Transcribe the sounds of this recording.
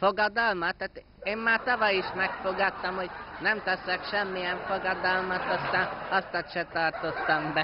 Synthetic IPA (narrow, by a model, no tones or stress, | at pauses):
foɡɒd̪ɒlmɒt̪ːaːt̪ | eːmːaːt̪ɒvɒjiʃmɛkfo̞ɡɒt̪ːɒmho̞ɟnɛmt̪ɛsɛkʃɛmːijɛɱfoɡɒd̪ɒlmɒt̪ɒst̪aːnɒst̪ɒt̪ʃɛt̪ɒrt̪o̞t̪ːɒmbɛ